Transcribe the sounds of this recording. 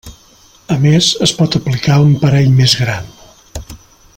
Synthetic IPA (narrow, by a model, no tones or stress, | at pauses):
əmezəspɔt̪əplikaumpəɾɛʎmezɣɾan